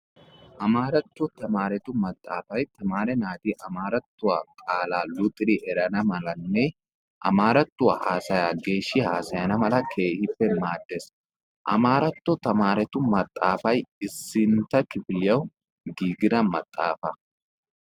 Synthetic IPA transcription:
ʔɐmaːɾɐt̪ːɔt̪ɐmaːɾɛt̪ʊmɐt̪ʼːa̰ːfɐjt̪ɐmaːɾɛnaːd̪iʔɐmaːɾɐt̪ːʊwa̰ːkʼaːlaːlʊt̪ʼːɪɾɪʔɛɾɐnɐmɐlɐnːɛ | ʔɐ̰maːɾɐt̪ːʊwa̰haːsɐjaːɡe̞ːʃːɪhaːsɐjɐnɐmɐlɐkʰe̞ːhɪpːɛmaːd̪ːes | ʔɐ̰maːɾɐt̪ːɔt̪ɐmaːɾɛt̪ʊmɐt̪ʼːaːfɐjɪsːɪnt̪ːɐkɪfɪlɪjɐw | ɡiːɡɪd̪ɐmɐ̰t̪ʼːa̰ːfɐ

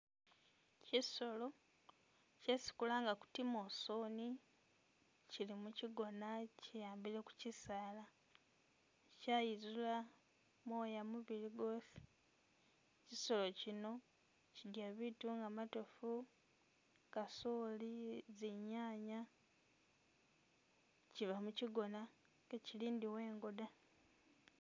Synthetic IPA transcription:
ciso̞lo̞ | cesi̥kulaŋɡaku̥timo̞soːni | cilimuciɡo̞nacijaːmbile̞ku̥cisaːla | cajizula | mo̞ːjamuβiliɡo̞si̥ | ciso̞lo̞cino̞ | cidjaβituŋɡamatofu | kasoliziɲaːɲa | ciβamuciɡo̞na | keciliːndiwe̞ːŋɡoda

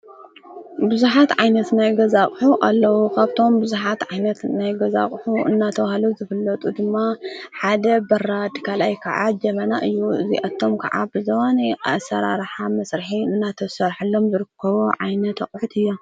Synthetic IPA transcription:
bɨzuħat̪ʕajnɐt̪najɡɐzaχʼħuʔalːɐwukʰaβt̪ʰo̞mbɨzuħat̪ʕajnɐt̪najɡɐza̰χʼħuɨ̰nːat̪ʰɐwahluwzɨfɨlːɐt̪ʼud̪ɨmːaħad̪ɐbɐɾad̪kʰalʔajkʰɐʕad͡ʒɐmɐnaʔɨjːuɨziʔat̪ʰːo̞mkʰɐʕa̰bɨzɐwanasːɐ̰ɾa̰ɾħamɐsɾɨħiɨnːat̪ʰɐsɐɾħɨlːo̞mzɨɾɨkʰːɐβuʕajnɐt̪ɐkʼħut̪ʰɨjːa

